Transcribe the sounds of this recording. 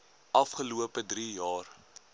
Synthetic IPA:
ʔɐfχəluəpədɾijɑːr

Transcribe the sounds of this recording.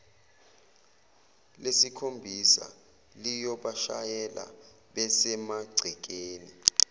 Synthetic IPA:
lesikʰombʱisa̰ | lijɔɓaʃajɛla̰ | ɓɛsɛmaɡ͡ǀʱik̬eːni

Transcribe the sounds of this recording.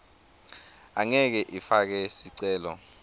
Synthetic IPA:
aŋɛk̬ɛʔifak̬ɛsiǀɛːlɔ̰

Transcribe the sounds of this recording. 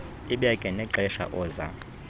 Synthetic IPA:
iɓiakʼɛnɛǁɛʃa̰ʔɔːza̰

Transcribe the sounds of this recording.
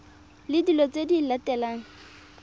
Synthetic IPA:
lɪdilɔt͡sʼedilatɛlaːŋ̩

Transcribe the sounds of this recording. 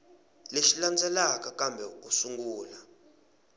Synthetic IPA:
leʃiland͡zʱʼɛlakakambʱɛusuŋɡuːla

